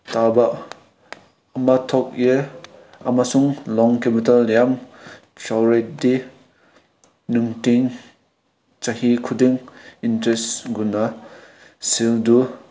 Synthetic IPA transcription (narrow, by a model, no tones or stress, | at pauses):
taba | ɐmatʰɔk̚je | ɐ̰masuŋlɔŋkepitaljam | sawɾet̚di | nuŋtiŋ | t͡ʃahikʰudiŋintɾesɡunɐ | sildu